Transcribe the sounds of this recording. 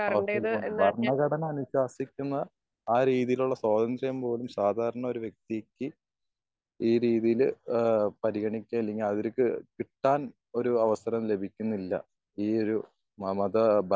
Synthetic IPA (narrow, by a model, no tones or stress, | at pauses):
ɐɐbʱɐrɳɐɡɐɽɐnɐɐnuɕaːsikʲːunːɐ | aːɾiːðijiluɭːɐswaːd̪ɐnd̪rɐjɐmpo̞ːlumsaːd̪ʱaːɾɐɳɐo̞ɾuʋje̞k̚t̪ikːɨ | iːɾiːðijil | pɐɾiɣɐɳikʲːamilːeŋːɡilɐðiɾkɨkiʈːaːn | o̞ɾuɐʋɐsɐɾɐmle̞bʱikʲːunːilːɐ̰ | iːo̞ɾu | mɐðɐbʱɐ